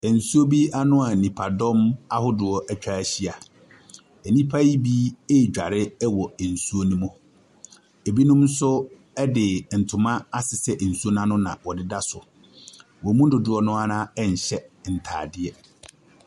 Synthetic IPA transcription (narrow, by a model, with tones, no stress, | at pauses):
ɛ˨n̩˨su˦o˦bi˦ʔa˦nʊ̃˦a˨nĩ˨pʰa˨dɔ̃˦ma˦hʊ˦dʊ˨ɔ˦ʔɛ˦t͡ɕᶣa˨ɕi˦a˨ | ɛ˨nĩ˦pʰa˦ji˦bi˦e˦˨d͡ʑᶣa̰˨ɾɪ˦ɛ˦wɔ˨n̩˨su˦o˦nũ˦mʊ̃˦ | e˨bi˦nʊ̃˦m˦sʊ˦ | ɛ˦dɪ˨n̩˨tʰʊ̃˨mã˦a˦sɪ˨sɛ˦ʔn̩˨su˦o˦n˦ã˦nʊ̃˦nã̰˨wɔ˨dɪ˦da˦sʊ̰˨ | wɔ˨˦mũ˦n˦dʊ˨dʊ˨˦ɔ˦nʊ̃˦a˦nãː˦ɛ˦ɲ̩˨ɕɛ˦n̩˨tʰa̰ː˨dɪ˦ɛ˦